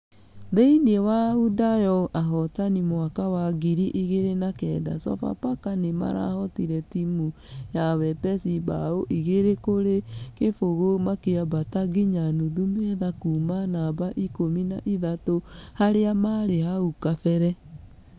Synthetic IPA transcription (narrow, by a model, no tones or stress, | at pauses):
ðeinewaudajɔʔaɦɔtanimwakawaɡiɾiʔeɣeɾenakɛda̰sɔ̰pa̰pakanema̰ɾa̰hɔtiɾɛtimu | jawɛpɛsiba̰oʔiɣeɾekoɾekefoɣomakeabataɡiɲanuðumɛðakuːmanabaʔikomina̰ʔiðatohaɾeamaɾehaukafɛɾɛ